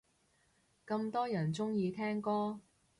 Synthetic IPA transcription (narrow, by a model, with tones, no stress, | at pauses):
kɐ˧mt̪ɔː˥jɐ˨˩nt͡sʊ˥ŋjiː˧t̪ʰɛː˥ŋkɔː˥